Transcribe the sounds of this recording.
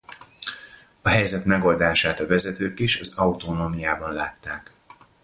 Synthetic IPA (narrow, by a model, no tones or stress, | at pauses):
ɒɦɛjzɛt̪mɛɡo̞ld̪aːʃaːt̪ɒvɛzɛt̪øːkiʃɒzɒut̪onoːmijaːbɒnlaːt̪ːaːk